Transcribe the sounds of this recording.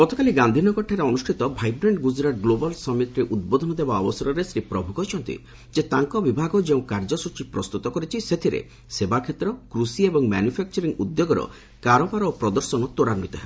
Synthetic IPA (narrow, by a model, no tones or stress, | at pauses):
ɡɔt̪ɔkaliɡand̪ʱinɔkɔʈʰaɾeɔnusʈʰit̪ɔbʱajbɾeɳɖɡud͡ʒɾaʈɡlobɔlsɔmit̪ɔɾeʔud̪̚bɔd̪ʱɔnɔd̪ebaɔ̰bɔsɔɾɔɾesɾipɾɔbʱukɔt͡ʃʰɔnt̪ḭ | d͡ʒet̪aŋkɔbibʱaɡɔd͡ʒeũkaɾd͡ʒɔsut͡ʃipɾɔst̪ut̪ɔkɔɾit͡ʃʰiset̪ʰiɾḛ | sebakʰet̪ɾɔkɾusiebɔŋmɛ̰njupʰɛk̚t͡ʃɔɾiŋud̪ːjoɡɔɾɔ̰ | kaɾɔpaɾopɾɔd̪ɔɾsɔnɔt̪oɾaɾnit̪ɔɦe